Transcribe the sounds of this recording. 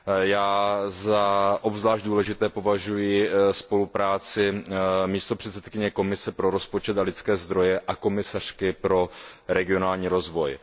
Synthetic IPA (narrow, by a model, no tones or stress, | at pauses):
jaːzaʔobzvlaːʒdduːlɛʒɪt̪ɛːpo̞vaʒujɪspo̞lupɾaːt͡sɪmiːst̪o̞pr̥ɛt̪sɛt̪kɪɲɛko̞mɪsɛpɾo̞ɾo̞spo̞t͡ʃɛt̪alɪt̪t͡skɛːzd̪ɾo̞jɛʔako̞mɪsar̝̥kɪpɾo̞ɾɛɡɪo̞naːlɲiːɾo̞zvo̞j